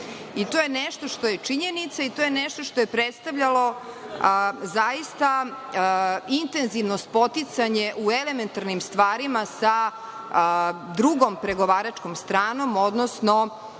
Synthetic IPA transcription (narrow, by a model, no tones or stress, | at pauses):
it̪o̞jeneʃt̪o̞ʂt̪o̞jet͡ʂiɲe̞nit̪sait̪o̞ːjeneʃt̪o̞ʂt̪o̞jepɾet̪st̪aʋʎalo̞ | zaist̪a | int̪e̞nziʋnost̪̚po̞t̪it̪saɲe̞ʔuele̞me̞nt̪aɾnimst̪ʋaːɾimasa | d̪ɾuɡompɾe̞ɡoʋaːɾat͡ʂkomst̪ɾaːno̞mo̞d̪nosno